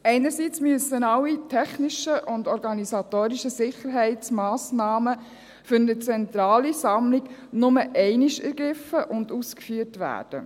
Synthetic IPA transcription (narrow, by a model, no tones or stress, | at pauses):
ɛɪnəɾsit͡smyəsːənɑlːitʰɛχniʃəʔʊndɔɾɡɑnisɑtoːɾiʃəsɪχəɾɦɛɪt͡smɑːsnɑːmə | fʏɾnət͡sɛntɾɑːlisɑmliɡ̥nʊməʔɛɪniʃɛɾɡɾɪfəʔʊnduːskfyəɾtʋæ̰ːɾd̥ə̰